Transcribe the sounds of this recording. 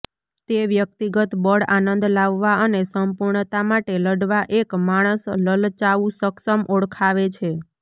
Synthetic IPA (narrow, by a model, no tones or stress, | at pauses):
t̪eʋjək̚t̪iɡət̪bəɽanənd̪laʋːaənesəmpuɾɳt̪amaʈeləɖʋaʔekmaɽ̃əsləlt͡ʃaʋũsəksəmʔoɽkʰaʋet͡ʃʰe